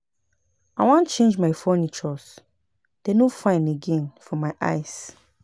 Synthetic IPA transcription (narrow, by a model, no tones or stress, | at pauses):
aɪwãnt͡ʃẽnd͡ʒmaɪfɔnit͡ʃɔs | d̥enofãɪ̃neɡɛ̃nfɔmaɪʔa̰ɪs